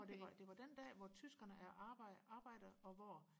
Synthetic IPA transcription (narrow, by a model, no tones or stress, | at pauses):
ɒd̥e̝ʋɑd̥e̝ʋɑ̈d̥end̥ɛ̰ːʋɒt͡sʰysɡ̥ɐnəʔæɐʔɑːbɑ̈ːb̥ɑ̈ɪ̰d̥əɒ̽ʋɒ